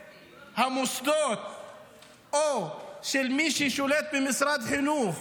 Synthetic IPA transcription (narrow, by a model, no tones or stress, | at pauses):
hamusd̪oːt̪̚ | ʔoʃɪlmiːʃiʃuleːt̪̚bɪmɪsɾˤɑːd̪ħinuːx